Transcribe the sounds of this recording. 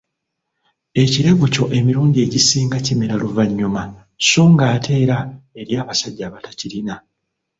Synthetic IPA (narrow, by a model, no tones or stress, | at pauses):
e̞ciɾe̞βuco̞ʔe̞miɾuːɲɟie̞ːɟisiːŋɡacimiɾaluvaɲːuma | soːŋɡaːtʰe̞ːɾae̞ɾjaːβasaɟːaːβatacilina